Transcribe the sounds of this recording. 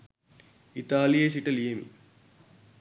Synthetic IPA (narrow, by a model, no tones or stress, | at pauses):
it̪aːlijeːsiʈɐleːmḭ